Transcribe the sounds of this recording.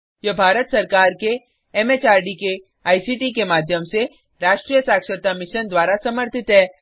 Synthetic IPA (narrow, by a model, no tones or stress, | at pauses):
jɐbʱaːɾət̪sɐɾkaːɾke | ɛmeːt͡ʃaːɾɖike | aːisiʈikemaːd̪ʱjəmse | ɾaːʃʈɾijəsaːkʃəɾt̪amɪʃənd̪waːɾasɐməɾt̪ʰɪt̪ɦɛː